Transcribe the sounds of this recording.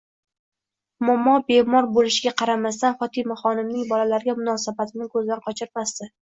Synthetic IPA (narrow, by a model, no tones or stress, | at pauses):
mɒmːɒbemɒɾbolɪʃɪɡʲaqʰɑɾamast̪anfɒt̪ʰɪmaχɒnɪmnɪŋbɒlalaɾɡʲamʊnɒsabat̪ʰɪnɪkʰɵzd̪anqʰɒt͡ʃʰɪɾmast̪ɪ